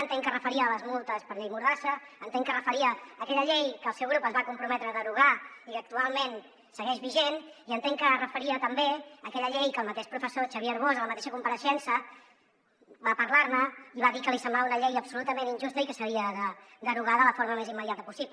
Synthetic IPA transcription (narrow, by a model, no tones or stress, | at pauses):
ənt̪eŋkərəfəɾiəːləzmulˠt̪əspəɾʎejmuɾðasəːnt̪eŋkərəfəɾiəːkɛʎəʎejkəːlˠsɛwɣɾupəzβakumpɾumɛt̪ɾəðəɾuɣ̞aikək̚t̪ualˠmen | səɣɛʒβiʒeniənt̪eŋkərəfəɾiət̪əmbeəkɛʎəʎejkəlˠmət̪eʃpɾufəsot͡ʃəβiəɾβ̞ozələmət̪eʃəkumpəɾəʃɛnsə | bapəɾlaɾməiβaðikəlisəmblaβunəʎejəpsulut̪əmeninʒust̪əikəsəɾiəðəd̪əɾuɣ̞aðələfoɾməmezimːəðjat̪əpusip